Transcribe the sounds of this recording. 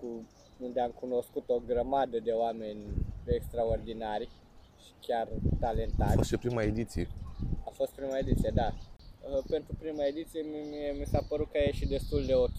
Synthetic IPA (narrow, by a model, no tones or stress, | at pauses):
ku | und̪eamkuno̞skut̪o̞ɡɾəmad̪əd̪e̞oame̞nʲekst̪ɾao̞rd̪inarʲ | ʃi̥kʲjart̪ale̞nt̪aost̪ʃipɾimaed̪it̪sijeafo̞st̪̚pɾimaed̪it̪sijed̪aəpe̞nt̪ɾupɾimae̞d̪it̪sijememisapəɾut̪̚kajeʃid̪e̞st̪uld̪e̞ok